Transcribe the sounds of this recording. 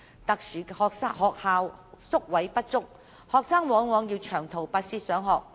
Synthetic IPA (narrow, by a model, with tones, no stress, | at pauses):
t̪ɐ˨k̚syː˨˩hɔː˨˧k̚saː˥hɔː˨k̚haː˧wsʊ˥k̚wɐ˨˥jpɐ˥t̚t͡sʊ˥k̚ | hɔː˨ksaː˥ŋwɔː˨˥ŋwɔː˨˧ŋjiː˧wt͡ʃʰœː˨˩ŋt̪ʰo˨˩wpaː˧t̚siː˧˥sœː˨˥ŋɦɔː˨k̚